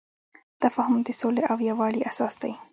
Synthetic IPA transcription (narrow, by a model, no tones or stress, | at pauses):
t̪afɑɦʊmd̪əsoleʔawjawɑɽiʔasɑsd̪a̰j